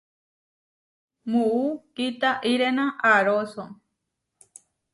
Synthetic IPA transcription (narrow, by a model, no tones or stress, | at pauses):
muukit̪aʔiɾenãʔaɾoso